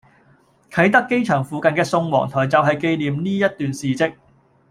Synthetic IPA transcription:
kʰɐ˨˥jt̪ɐ˥kːe˥jt͡ʃʰœː˨˩ŋfuː˨˧kɐ˨nkɛː˧sʊ˧ŋwɔ̰ː˨˩ŋt̪ʰɔː˨˩jt͡sɐ˨wɦɐ˨jke˧jliː˨˩mniː˥jɐ˥t̚t̪yː˨nsiː˨˩t͡sɪ˧k̚

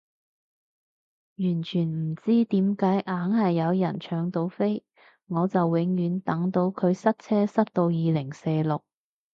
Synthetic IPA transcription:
jyː˨˩nt͡ʃʰyː˨˩nm̩˨˩t͡siː˥t̪iː˨˥mkaː˨˥jʔaː˨˥ŋhɐ˨jːɐ˨˧wjɐ̰˨˩nt͡ʃʰœː˨˧ŋt̪o˨˧˥wfe˥j | ŋɔː˨˧t͡sɐ˨wwɪ˨˥ŋjyː˨˧nt̪ɐ˨˥ŋt̪o˨˥wkʰɵ˨˧ɥsɐ˥t̚t͡sʰɛː˥sɐ˥t̚t̪o˧wjiː˨˧lɪ˨˩ŋseː˧jlʊ˨k̚

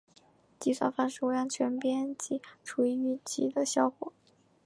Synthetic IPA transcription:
t͡ɕi˥˩swa̰˥˩nfa˥˧nʂɻ̩˥˩we˧˥ɪjɑ˥˩ŋt͡ɕʰɥɛ˧˥npjɛ˥nt͡ɕi˧˥ʈ͡ʂʰu˧˩i˥˩y˧˥t͡ɕḭ˧˥d̪ə˧ɕjɑ˥˧ʊkwɔ˨˩˦

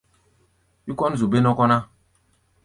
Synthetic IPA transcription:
wi˦kɔ˦n˦˨zu˨be˦nɔ˦kɔ˦na˦

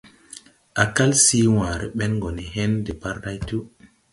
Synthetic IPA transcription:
ʔa˨ka˦lsiː˦wãː˨ɾɛ˨ɓɛ˦nɡɔ˨ni˨ɦe˦ndɛ˨pa˦ɾɗa˦jtu˦

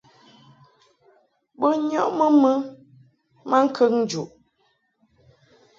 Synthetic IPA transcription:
bə˦ɲɔ˦ʔmə˦mə˦ | ma˦ŋ̩˦kʰə˦ŋn̩˦d͡ʒu˨ʔ

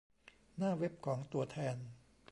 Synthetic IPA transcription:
naː˥˩we˦˥p̚kʰɔː˩˦ŋt̪u˧ɐt̪ʰɛː˧n

